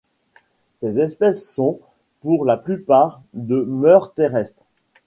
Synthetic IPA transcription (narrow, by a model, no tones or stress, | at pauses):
sezɛspɛsːɔ̃ | puʁlaplypaːʁ | d̪əmœʁt̪eʁɛst̪χ